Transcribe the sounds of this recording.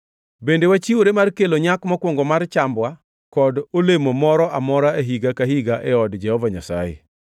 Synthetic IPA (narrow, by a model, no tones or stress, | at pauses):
bendewat͡ʃioɾemarkeloɲakmɔkwɔŋɡɔmart͡ʃambwa | kɔdolemomɔɾɔʔamɔɾaeɦiɡakaɦiɡaʔɛɔdd͡ʒɛhɔvaɲasa̰jḛ